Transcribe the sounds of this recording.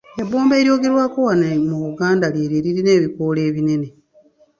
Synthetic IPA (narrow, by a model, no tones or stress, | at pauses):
eboːmbe̞ːɾjo̞ːɡe̞ɾwaːkowanemuβuɡaːndaljeːɾeɾiɾine̞ːβikole̞ːβine̞ne̞